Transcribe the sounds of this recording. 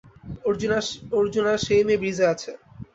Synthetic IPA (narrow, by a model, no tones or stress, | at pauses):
oɾd͡ʑnaoɾd͡ʑonaʃejmebɾizeat͡ɕʰe